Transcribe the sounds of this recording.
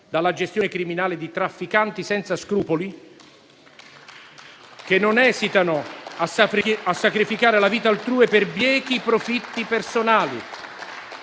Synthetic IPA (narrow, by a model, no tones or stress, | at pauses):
d̪alːad͡ʒest̪jonɪkɾiminaːlɪd̪it̪ɾafːikant̪isɛnt̪saskɾuːpoli | k̟enːʊnɛːsit̪anʊasaɾiasːakɾifikaːɾelaviːt̪aːlt̪ɾuːepɪrbjɛːk̟ipɾofit̪ːipersonaːlḭ